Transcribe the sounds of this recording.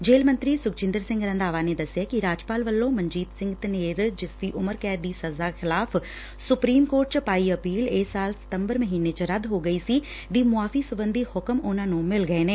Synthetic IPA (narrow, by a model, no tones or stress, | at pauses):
d͡ʒeːlmə̃nt̪ɾiːsʊk̚t͡ʃɪ̃nd̪əɾsɪ̃ŋɡɾə̃nd̪aːʋaːneːd̪əsɪjaːkiɾaːd͡ʒpaːlʋəlːõːməɲd͡ʒiːt̪sɪ̃ŋɡt̪neːɾd͡ʒɪsd̪iːʔʊməɾkɛːd̪iːsəzaːxʰɪlaːf | sʊpɾiːmkoːɾʈ̚t͡ʃəpaːiəpiːleːsaːlsɪ̥t̪əmbəɾməɦiːneːt͡ʃəɾəd̪ɦoːɡəiːsiː | d̪iːmʊaːfiːsəbənd̪iːhʊkəmʊnãːnũːmɪlɡəeːneː